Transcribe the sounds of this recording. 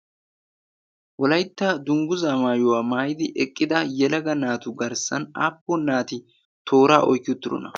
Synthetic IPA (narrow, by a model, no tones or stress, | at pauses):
wɔlɐjt̪ːɐd̪ʊŋɡʊzaːmaːjʊwaːmaːjɪd̪ɪʔɛkʼːɪd̪ɐjɛlɐɡɐnaːt̪ʊɡɐɾsɐna̰ːpːɔnaːt̪ɪ | t̪ʰo̞ːɾaːʔɔ̰jkːɪʊt̪ːɪɾɔ̰nɐ